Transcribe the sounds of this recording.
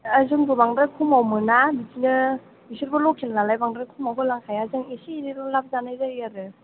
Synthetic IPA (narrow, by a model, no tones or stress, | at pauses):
azɯŋɡubaŋdɾakʰumawmɯnabitinɯ | misuɾbɐlɔkʰinlalajbaŋdɾakʰumawkʰɯlaŋkʰajazɯŋisiɾiɾɔlap̚zanajzaiaɾɯ